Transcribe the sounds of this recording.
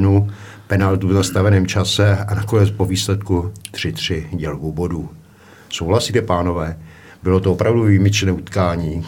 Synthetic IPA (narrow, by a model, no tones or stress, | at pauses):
nu | pɛnalt̪uvnast̪avɛnɛːmt͡ʃasɛanako̞nɛt͡spo̞viːslɛt̪kut̪r̥ɪt̪r̝̥ɪɟɛlkuboduː | so̞wlasiːt̪ɛpaːno̞vɛː | bɪlo̞t̪oopɾavduviːmɪt͡ʃnɛːut̪kaːɲiː